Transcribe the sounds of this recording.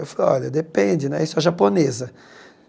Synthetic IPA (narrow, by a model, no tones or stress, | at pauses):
ewfaleɔ̰ʎɐd̪epẽd͡ʒ̪ɪnɛ̰isʊɛʒaponezɐ